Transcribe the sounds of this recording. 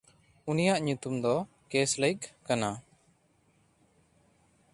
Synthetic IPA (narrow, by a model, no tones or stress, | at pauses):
unijaʔɲut̪umd̪ɔ | keslajkkana